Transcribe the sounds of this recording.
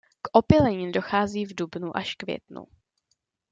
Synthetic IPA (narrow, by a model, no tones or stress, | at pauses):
kʔopɪlɛɲɪndo̞xaːziːvdubnuʔaʃkvjɛ̰t̪nṵ